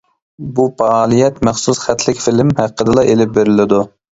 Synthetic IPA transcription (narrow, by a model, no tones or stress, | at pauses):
bupɑɑːlˠijɛt̪mæχsusχæt̪ʰlɪkʲfɪlɪmhæqːəd̪ɨlˠɑʔelɪp̚beɾɪlɪd̪u